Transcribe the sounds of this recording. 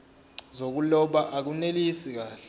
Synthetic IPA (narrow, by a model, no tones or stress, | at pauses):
zok̬ulɔɓaʔak̬unelisik̬aːɬ